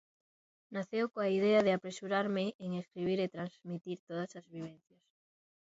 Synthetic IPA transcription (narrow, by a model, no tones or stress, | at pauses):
naθewkoaiðeaðeapɾesuɾaɾmeeŋeskɾiβ̞iɾet̪ɾanzmit̪iɾt̪oð̞asazβiβ̞enθjas